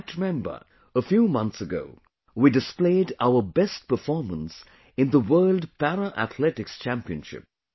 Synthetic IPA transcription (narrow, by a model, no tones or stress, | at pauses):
tɨmɛ̃mbə̰˞ | əfjuːmʌ̃nθsəɡo̰ʊ | widɨspleɪdaʊə˞bɛst̚pə˞fɔɹmə̃ns | ɨ̃nðəwɜ˞lˠdpæɾəʔæ̰t̪ʰlɛtɪkst͡ʃʰæ̃mpiɨ̃nʃɪ̰p̚